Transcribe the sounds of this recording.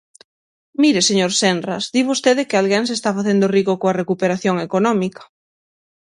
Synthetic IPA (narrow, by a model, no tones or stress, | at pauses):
miɾeseɲoɾsenrɐsd̪iβost̪eðɪkɪalɣeŋsest̪afaθend̪oriɣokoɐrekupeɾaθjoŋekonɔmikɐ̥